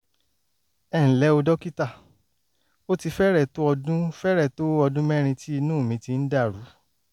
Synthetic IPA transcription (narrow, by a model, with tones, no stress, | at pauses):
ɛ˨ñ̩˨lɛ˨˦o˧dɔ˦ki˦ta˦˨ | o˦ti˧fɛ˦ɾɛ˦˨to˦ɔ˧dũ˦fɛ˦ɾɛ˦˨to˦ɔ˧dũ˦mɛ̃˦ɾ̃ĩ˧ti˦i˧nũː˦˨mĩ˧ti˧n̩˦da˦˨ɾu˨˦